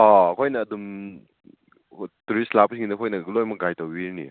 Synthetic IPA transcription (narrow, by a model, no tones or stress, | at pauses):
ɔɐkʰojnɐːdum | tuɾistlapsiŋinɐkʰojnɐɡlojmɐɡajtɐwwiɾnḭ